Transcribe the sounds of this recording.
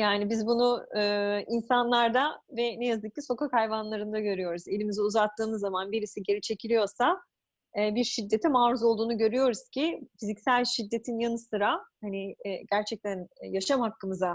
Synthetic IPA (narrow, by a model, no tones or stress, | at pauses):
jaːnibizbunuɯːinsanlˠaɾd̪avɛnɛjazd̪ɯk̚cːiso̞kakʰajvanlˠaɾɯnd̪aɟø̞ɾyjo̞ɾuze̞lʲimiziuzat̪ʰːɯːmɯzːamanbiɾisiɟe̞ɾit͡ʃʰe̞cʰilʲijo̞ɾsa | ɛːbiɾʃid̪ːe̞t̪ʰɛmaːɾuzo̞lˠd̪uːnuɟø̞ɾyjo̞ɾuz̥cʰifizicsælʲʃid̪ːe̞t̪ʰinjanɯsɯɾahaniɟæɾt͡ʃʰɛc̚t̪ʰænjaʃamhakːɯmɯza